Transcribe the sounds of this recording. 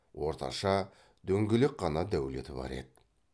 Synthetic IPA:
wʔo̞ɾt̪ɑ̰ʃɑ | d̪ɵŋɡʲɪlɪk̚qɑnɑd̪æwle̞̰t̪ɪbɑ̰ɾe̞̰d̪ɪ

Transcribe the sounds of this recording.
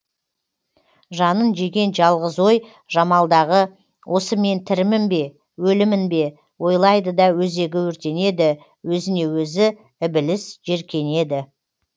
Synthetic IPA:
ʒɑnənʒeɡʲe̞nʒɑlˠʁəzwo̞j | ʒ̥ɑmɑlˠd̪ɑʁə | wʔo̞səme̞nt̪ʰɪɾɪmɪmbe̞ | wɵlɪmɪnbe̞ | wo̞jlˠɑjd̪əd̪ɑwɵze̞ɡʲɪwɵɾt̪e̞ne̞d̪ɪ | wɵzɪne̞wɵzɪ | ɪbɪlɪsʒe̞ɾkʲe̞ne̞d̪ɪ

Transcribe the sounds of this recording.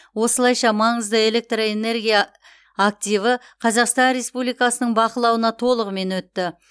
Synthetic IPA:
wo̞səlˠɑjʃɑmɑɴəzd̪əe̞le̞k̚t̪roe̞ne̞ɾɡʲijaː | k̚t̪ijvə | qʰɑzɑqst̪ɑnɾe̞spublijkɑsənəɴbɑqəlˠɑwənɑt̪ʰo̞lˠəʁəme̞nwɵt̪ːɪ

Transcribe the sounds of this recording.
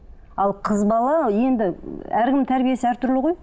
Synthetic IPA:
ɑlˠqʰəzbɑlˠɑje̞nd̪ɪæɾkʲɪmt̪ʰæɾbije̞sɪæɾt̪ʰʏɾlɪʁo̞j

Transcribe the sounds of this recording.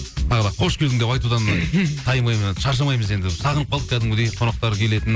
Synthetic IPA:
t̪ʰɑʁəd̪ˠɑqʰo̞ʃkʰʲed̪ɪŋd̪e̞pɑjt̪ud̪ɑnt̪ʰɑjmɑjmʃɑɾʃ̬ɑmɑjməze̞nd̪ɪsɑʁənəp̚qʰɑlˠd̪ək̪ʲʰæd̪ɪŋwɵd̪ejqʰo̞nɑq̚t̪ɑɾkʲʰe̞le̞t̪ɪn

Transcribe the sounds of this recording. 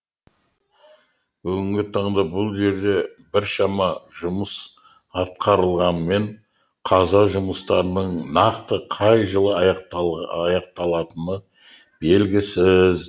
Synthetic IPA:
bɵɡʲɪŋɡʲɪt̪ʰɑɴd̪ɑbʊlˠʒe̞ɾd̪e̞bɪɾʃɑmɑʒʊməs | ɑt̪̚qɑɾəlˠʁɑnme̞ɴ | qʰɑzɑʒʊməst̪ɑɾənəɴnɑqt̪əqʰɑjʒəlˠəɑɑqɑjɑq̚t̪ɑlˠɑt̪ənə | b̥e̞lɡʲɪsɪz

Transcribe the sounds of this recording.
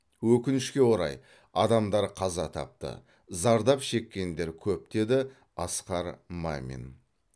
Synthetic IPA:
wɵkʲɪnɪʃkʲe̞wo̞ɾɑ̰j | ɑd̪ɑmd̪ɑɾqʰɑzɑt̪ʰɑ̰p̚t̪ə̰ | zɑɾd̪ɑpʃe̞kʲːe̞nd̪e̞ɾkʲʰɵp̚d̪e̞d̪ɪ | ɑsqɑɾma̰mʲḛn

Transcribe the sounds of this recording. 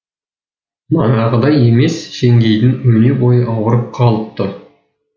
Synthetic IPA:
mɑɴɑʁəd̪ɑje̞me̞sʃeŋɡʲe̞jd̪ɪnwɵnebo̞jəʔɑwəɾəp̚qʰɑlˠəp̚t̪ːə

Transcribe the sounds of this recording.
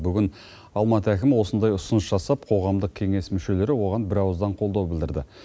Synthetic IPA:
bʏɡʲɪn | ɑlˠmɑt̪əækʲɪmɪwo̞sənd̪ɑjʊsʊnəsʒɑsɑp̚qʰo̞ʁɑmd̪əq̚kʲʰe̞ŋe̞smʏʃe̞le̞ɾɪwo̞ʁɑnbɪɾɑwəzd̪ɑɴqʰo̞lˠd̪ɑwbɪld̪ɪɾd̪ɪ

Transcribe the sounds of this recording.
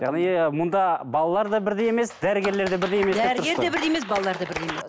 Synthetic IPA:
jɑ̰ʁnimʊnd̪ɑbɑlˠɑlˠɑɾd̪ɑbɪɾd̪ejeme̞sd̪æɾɪɡʲe̞ɾle̞ɾd̪e̞bɪɾd̪ejemeeɾʊɾɡ̪eɾebɪɾd̪ejemesbɑlˠɑlˠɑɾd̪ɑbɪɾd̪ejemes

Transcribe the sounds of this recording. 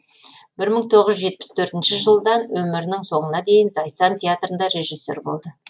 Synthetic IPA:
bɪɾməɴt̪ʰo̞ʁəʒʒʒe̞t̪̚pɪ̥st̪ʰɵɾt̪ɪnʃɪʒəlˠd̪ɑnwɵmɪɾɪnɪŋso̞ɴənɑd̪e̞jɪnzɑj̪sɑnt̪ʲʰeat̪rənd̪ɑɾe̞ʒisːe̞̰ɾbo̞̰lˠd̪ə

